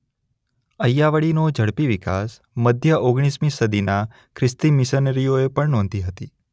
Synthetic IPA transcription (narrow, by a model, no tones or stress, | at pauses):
əjːaʋəɽinod͡ʒəɽpiʋika̰s | məd̪ʱjəʔoɡɽ̃ismisəd̪ʱina | kʰɾɪst̪imɪsənəɾijoepəɳnɔ̃nd̪iɦət̪ḭ